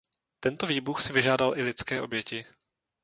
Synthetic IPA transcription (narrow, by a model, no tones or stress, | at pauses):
t̪ɛnt̪oviːbuxsɪvɪʒaːdalʔɪlɪt͡skɛːʔo̞bjɛcɪ